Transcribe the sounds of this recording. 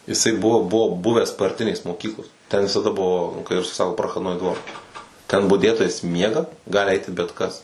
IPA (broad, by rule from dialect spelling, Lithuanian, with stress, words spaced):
jɪˈsɐɪ ˈbʊʋoː ˈbʊʋoː ˈbʊʋʲæːs pɐrʲˈtʲɪnʲeːs moːˈkʲiːklˠoːs tʲɛn ʋʲɪsɐˈdɐ ˈbʊʋoː nʊ kɐɪ ˈrʊsɐɪ ˈsɑːkoː prɐxɐdˈnoːɪ ˈdʋoːr tʲɛn bʊˈdʲeːtoːjɛs ˈmʲiɛɡɐ ˈɡɑːlʲɪ ˈɐɪtʲɪ bʲɛt ˈkɐs